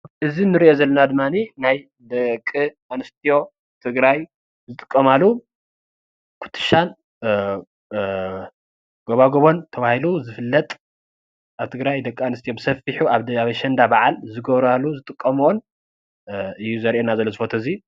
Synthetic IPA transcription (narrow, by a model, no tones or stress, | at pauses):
ʔɨzinːɨɾiʔo̞zɐlːɐnad̪ɨmːaninaj | d̪ɐkʼːɨʔanɨst̪ʰijo̞ | t̪ʰɨɡɾaj | zɨt̪ʼɨ̥kʼːɐmalːu | kʰu̥t̪ʰːɨ̥ʃan | ɡ̥oβaɡo̞βo̞nt̪ʰɐβahiluzɨfɨlːɐt̪ʼ | ʔaβt̪ʰɨɡɾajd̪ɐkʼːɨanɨst̪ʰijo̞bɨsɐfiħuaβaβɐʃɐnd̪abaʕalzɨɡɐβɾalːuzɨt̪ʼɨkʼːɐmon | ɨjːuzɐɾʔenazɐlːozɨfot̪ʰozi